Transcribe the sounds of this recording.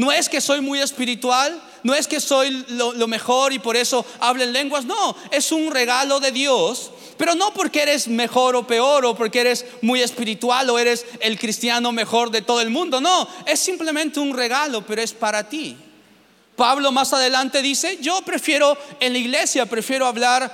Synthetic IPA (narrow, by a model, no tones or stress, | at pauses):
noeske̞so̞jmuje̞spiɾit̪wal | no̞eske̞so̞jlolome̞xoɾipo̞ɾe̞so̞aβlaenle̞ŋɡwasno | e̞sunre̞ɣalo̞ðe̞ðjos | pe̞ɾo̞no̞po̞ɾkee̞ɾe̞zme̞xo̞ɾope̞o̞ɾopo̞ɾkeeɾez | muje̞spiɾit̪waloe̞ɾe̞selkɾist̪jano̞me̞xo̞ɾðe̞t̪o̞ðoe̞lmũnd̪o̞noe̞sːimple̞mẽnt̪eunre̞ɣalo̞pe̞ɾoespaɾat̪i | paβlo̞masaðe̞lant̪e̞ðise̞ʝo̞pɾe̞fje̞ɾo̞enlaiɣle̞sjapɾe̞fje̞ɾoaβlaɾ